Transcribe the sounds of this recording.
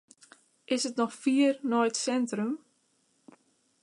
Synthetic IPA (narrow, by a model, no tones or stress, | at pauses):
ʔɪsətnɔxfiərnɔjtsɛntrəm